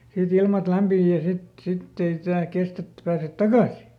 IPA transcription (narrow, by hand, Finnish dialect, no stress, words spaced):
sit ilmɑt læmpiː jɑ sit sitː ei jæː kestæ̆ etːĕ pæːset tɑkɑˑsi